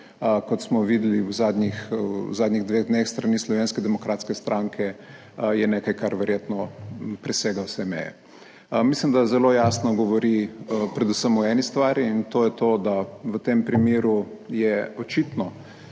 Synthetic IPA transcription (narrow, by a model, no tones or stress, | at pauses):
kɔt̪smɔʋid̪liwzaːd̪nʲixwzaːd̪nʲiɣd̪ʋeːɣd̪nexst̪ɾaniːslɔʋeːnskɛd̪ɛmɔkɾaːt̪skɛst̪ɾʔaŋkʰɛ | jɛneːkajkaɾʋɛɾjet̪nɔpɾɛseːɡawsɛmɛ̰jɛ̰ | mislimd̪azɛloːjaːsnɔɡɔʋɔɾipɾɛd̪usəmɔɛnist̪ʋaːɾiːnt̪oːjɛt̪oːd̪aʋət̪empɾimiːɾujɛɔt͡ʃit̪nɔ